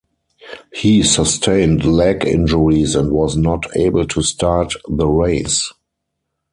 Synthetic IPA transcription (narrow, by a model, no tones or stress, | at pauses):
hisastʰẽɪ̃ndlækɪ̰̃nd͡ʒəɹisɛ̃ntwɔznɔtʰḛɪbəl̩tʰustʰaːtðəɹeɪs